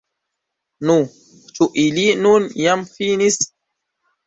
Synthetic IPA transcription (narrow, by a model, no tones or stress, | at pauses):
nu | t͡ʃuʔilinunjamfinis